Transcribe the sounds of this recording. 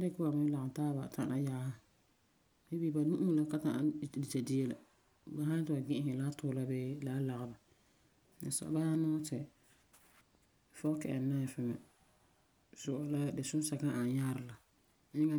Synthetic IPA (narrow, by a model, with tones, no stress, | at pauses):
a˦dɪ˦kʊ˦a˨mɪ˦la˨taː˦ba̰˨tʰa˨ʔa˦ja˦ha˦ | he˦bi˦ba˨nũ˦ʔu˦˨la˦ka˦ta˨dɪ˨ta˨di˦e˦la˨ | ba˨ɦã˦tʊ˨a˨ɡɪ̃˦hɪ˨laː˦tʊː˦la˦beː˦laː˦la˨ɣɪ˨ba˨ | ɪ̰˨sa̰˨ba˦a˦nɔː˦tɛ˨ | fɔ˦kɛ˨ɛ˨na˦˨fɪ˦mɛ̰˨ | sʊ˨ʔɔ˨la˦dɪ˨sʊ˦n˦sa˨kã˦ʔa˨ɲa˦ɾɪ˨la˨ | ɪ˦ŋa˦